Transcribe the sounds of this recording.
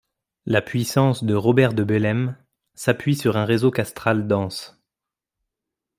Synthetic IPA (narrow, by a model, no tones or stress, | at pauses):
lapɥisɑ̃sd̪əʁɔbɛʁd̪əbelɛm | sapɥisyʁɛ̃ʁezokast̪χald̪ɑ̃s